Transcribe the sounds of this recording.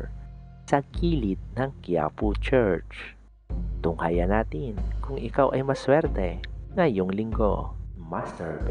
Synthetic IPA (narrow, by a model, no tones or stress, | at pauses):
sɐkiːlɪt̪̚nɐŋkia̰put͡ʃɛɹt͡ʃ | t̪ʊŋhajɐnaːt̪ɪnkʊŋʔɪkawʔɐjmɐswɛɾt̪ɛŋɐjoŋlɪŋɡo̰mastɛɹb